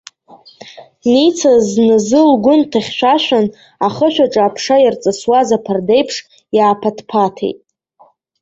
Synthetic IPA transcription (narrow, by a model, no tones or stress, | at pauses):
nit͡sʰaznɨzɨlɡʷʊntʰaχʲʃʷᶣaʃʷᶣan | aχəʃʷᶣaʈ͡ʂʼaːpʰʂajart͡sʼɨswazapʰarde̞jpʰʂ | jaːpʰatʰpʰatʰḛjtʼ